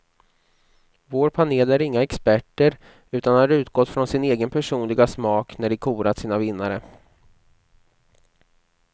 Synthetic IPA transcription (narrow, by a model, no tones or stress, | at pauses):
voːɾpʰaneːlæɾɪŋːaɛkspæʈːəɾ | ʉ̟ːt̪anhaɾʉ̟ːt̪ɡɔt̪ːfɾɔnsɪneːɡənpʰæʂuːnlɪɡasmɑːknæɖɪkʰuːɾat̪siːnavɪnːaɾə